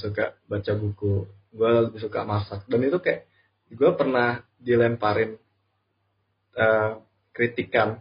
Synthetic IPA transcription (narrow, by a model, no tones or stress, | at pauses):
sukaʔbat͡ʃabuku | ɡualəbihsuka̰masak̚danit̪ukajaʔ | ɡuapərnah | dilɛmpaɾɪm | ʔə | kɾit̪ikan